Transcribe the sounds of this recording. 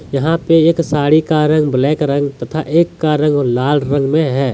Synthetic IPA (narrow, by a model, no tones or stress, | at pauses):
jɐɦãpeeːksaːɽikaɾə̃ŋɡblɛːkɾə̃ŋɡt̪ɐt̪ʰaʔeːkːaɾə̃ŋɡɔːɾlaːlɾə̃ŋɡmẽɦɛː